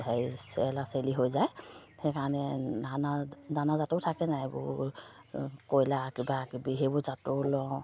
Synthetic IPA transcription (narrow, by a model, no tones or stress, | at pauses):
ajsɛlaseliɦojzajhɛjkaɹɔnɛanananazatoʊtʰakɛnajbʊ̰ | kojlakibakibiɦebʊzatolɔ